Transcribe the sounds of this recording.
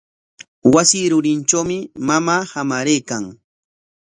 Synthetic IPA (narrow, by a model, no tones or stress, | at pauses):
wasiːɾʊɾɪnt͡ʃawmɪmamaːhamaɾejkaŋ